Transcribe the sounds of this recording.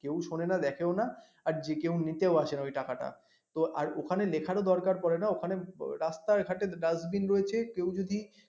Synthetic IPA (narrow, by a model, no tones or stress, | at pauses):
kewʃonenad̪ɛkʰeona | aɾd͡ʑekewnit̪eoaʃenaojʈakaʈa̰ | t̪oa̰ɾokʰanelekʰaɾod̪ɔɾkaɾpɔɾenaokʰaneɾast̪aɾɡʱaʈeɾazbinɾoet͡ɕʰekewd͡ʑod̪ʱi